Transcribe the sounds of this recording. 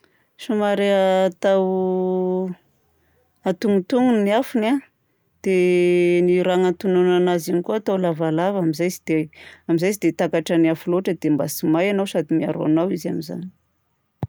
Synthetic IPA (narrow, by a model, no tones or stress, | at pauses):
ʃumaɾeat̪aw | at̪uŋut̪uŋunniafuna | d̪̥eniɾaŋant̪ununanazinikuat̪awlavalavamizajzid̪eamizajsid̪et̪akaʈ͡ʂaniafuloʈ͡ʂəd̪emba̰simajanawsad̪imia̰ɾoa̰nawiziamiza̰ni̥